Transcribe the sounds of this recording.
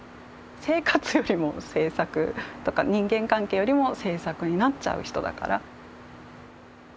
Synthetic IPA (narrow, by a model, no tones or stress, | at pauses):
se̞ːkat͡sɨjo̞ɾʲimo̞se̞ːsakɯ̟t̪o̞ka̰ɲ̟ĩŋɡẽ̞ŋkãŋkeːjo̞ɾʲimo̞se̞ːsakɯ̟ɲ̟inat͡ɕa̰ɯ̟çi̥t̪od̪a̰ka̰ɾa